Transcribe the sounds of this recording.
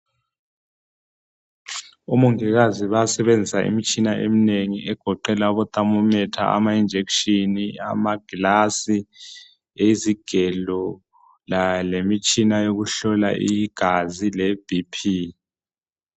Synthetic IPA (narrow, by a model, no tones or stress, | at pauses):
umuŋiɣaziβasɛβend͡zʱisaʔḭmit͡ʃʼinaʔemineŋiʔɛɡ̥ʱɔǃɛlauβɔt̪ʼamumɛtʰa̰a̰maind͡ʒʱekʃinia̰maɡ̥ilasi | eiziɡ̥ʱɛlɔ | lalemit͡ʃʼinajoɣuɬɔla̰ʔiɡ̥ʱazilɛb̥ʱipʰi